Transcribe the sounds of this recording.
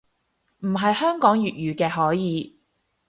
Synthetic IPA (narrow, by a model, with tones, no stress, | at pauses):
m̩˨˩ɦɐ˨jhœː˥ŋkɔː˨˥ŋjyː˨t̚jyː˨˧kɛː˧ɦɔː˨˥jiː˨˧